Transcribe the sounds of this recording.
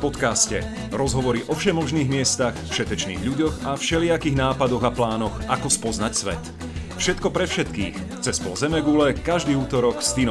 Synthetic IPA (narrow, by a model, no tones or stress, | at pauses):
pɔt̪kascɛ̰ | ɾɔzɦɔʋɔɾiʔɔfʃɛmɔʒniːɣmɪɛst̪axfʃɛt̪ɛt͡ʃnḭːɣʎuɟɔɣafʃɛlɪakiɣnaːpad̪ɔɣaplaːnɔxakɔspɔznacsʋɛ̰t̪ | fʃɛt̪kɔpɾɛfʃɛt̪kiːx | t͡sɛspɔ̰lzɛmɛɡulɛkaʒd̪iːuːt̪ɔɾɔkst̪in